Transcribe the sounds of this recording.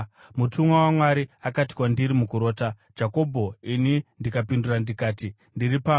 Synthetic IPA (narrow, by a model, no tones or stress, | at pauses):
mutʰumwawamwaɾiakati̥kwandiɾimukuɾo̞ːta | d͡ʒako̞bʱo̞inindikapindurandikaːti | ndiɾipa